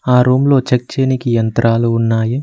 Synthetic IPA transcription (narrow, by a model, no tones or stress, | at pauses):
aːɾoːmlo̞ːt͡ʃɐk̚t͡ʃeːnikijɐnt̪ɾaːluːnːaːji